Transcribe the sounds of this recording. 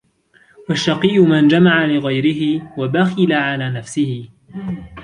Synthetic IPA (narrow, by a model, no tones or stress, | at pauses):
waʃːɑqiːʔʊmand͡ʒamaʕalɪɣajɾɪɦɪwabaxɪlaʕalaːnafsɪhɪ